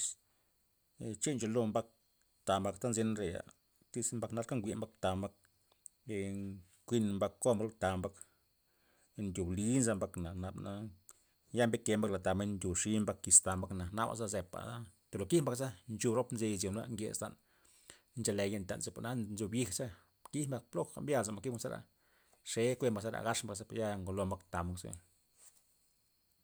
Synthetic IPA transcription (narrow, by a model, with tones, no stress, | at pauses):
s | t͡ʃi˦nt͡ʃo˧lo˧mba˦k̚ | t̪a˨mba˧kt̪a˦nzi˦n˦ɾe˨ja̰˨ | t̪i˦smba˧kna˧lka˦ŋɡʷi˧˨mba˦k̚t̪a˨mba˦k̚ | kʷi˧nmba˧kko˦mɾo˦t̪a˨mba˦k | nd̪ʲu˨bli˦nza˦mba˧kna˨na˨bna˧ | ja˦mbe˦ke˧mba˦kla˨t̪a˨me˧˦nnd̪ʲu˨ʂi˦mba˦kːi˧st̪a˨mba˦kna˨na˦ba̰˧za˦ze˨pa̰˨a˦t̪u˨lo˨ki˦hmba˧ksa˦nt͡ʃu˧bɾo˦pnze˧jzo˨n˦a̰˦ŋɡḛ˨st̪a̰˨n | nt͡ʃa˧le˨je˧nt̪ʲa̰˨nse˧˨pa̰˨na˦nzu˧bji˦xsa˦ | ki˦hmba˧k̚plo˦a̰˧˦mbʲja˧lz̬a˨mba˧ki˦ma˧za˦ɾa̰˨ | ʂe˨˦kʷe˦˧mba˧sa˦ɾa̰˨ɡa˦ʂmba˧ksa˦pa˨ja˦ŋɡo˧lo˧mba˦kt̪a˨ma˧ksḛ˦